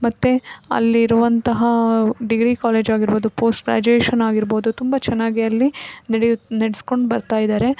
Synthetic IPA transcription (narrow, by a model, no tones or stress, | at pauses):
mɐt̪ːeɐ̰lːiːɾuʋɐnt̪ɐɦɐɖiɡɾiːkaːleːd͡ʒaːɡiɾbo̞ːd̪upo̞ːsʈɡɾa̰ːd͡ʒueːʃɐnaːɡiɾboːd̪ut̪umbɐt͡ʃɛnːaːɡiɐlːinɐɽneɽisko̞ɳɖbɐɾt̪aːjid̪aːɾe̞